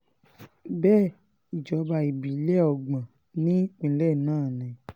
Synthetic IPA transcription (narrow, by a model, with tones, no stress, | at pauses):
bɛː˦˨ | i˨d͡ʒɔ˨˦ba˧˨i˨bi˨˦lɛ˦˨ɔ˧˨ɡ͡bã˨ | nĩ˦k͡pĩ˨˦lɛ˦˨nãː˦˨nɛ̃˨˦